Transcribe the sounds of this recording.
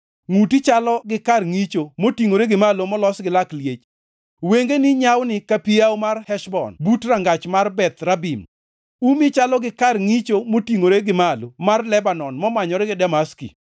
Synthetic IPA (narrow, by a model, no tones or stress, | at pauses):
ŋutit͡ʃalɔɡɪkarŋit͡ʃomotiŋoɾeɡɪmalomɔlɔsɡɪlakljet͡ʃ | weŋɡenɪɲawnɪkapijawmarhɛʃbɔ̰nbutraŋɡat͡ʃmarbɛt̪rabim | umit͡ʃalɔɡɪkarŋit͡ʃomotiŋoɾeɡɪmalomarlɛbanɔnmɔmaɲɔɾɛɡɪdamaskḭ